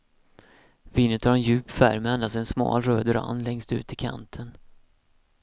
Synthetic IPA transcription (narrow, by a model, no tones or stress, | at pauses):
viːnːət̪havɾɛnjʉ̟ːpfæ̰ɾmand̪asɛnsmɑ̰ːlɾøːd̪ɾa̰nːlɛŋst̪ʉ̟̰ːt̪ɪkʰa̰nt̪ʰən